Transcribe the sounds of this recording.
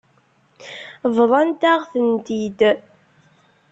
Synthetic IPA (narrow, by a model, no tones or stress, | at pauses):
vðˤɑnt̪æʁθənt̪id̪